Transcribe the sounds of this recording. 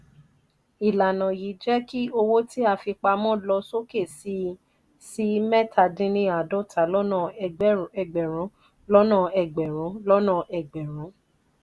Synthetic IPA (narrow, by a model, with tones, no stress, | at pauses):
i˨la˨nã˨ji˨˦d͡ʒɛ˦ki˦o˧wo˦ti˦a˧fi˧k͡pa˧mɔ̃˦lɔ˧so˦ke˦˨si˧˦ | si˦mɛ˦ta˨dĩ˦nĩ˦a˨dɔ˦˨tʰa˨˦lɔ˦nã˦˨˦ɛ˨ɡ͡bɛ˨ɾ̃ɔ̃˨˦ | lɔ˦nã˦˨ɛ˨ɡ͡bɛ˨ɾɔ̃˨˦lɔ˦nã˦˨ʔɛ˨ɡ͡bɛ˨ɾ̃ɔ̃˨˦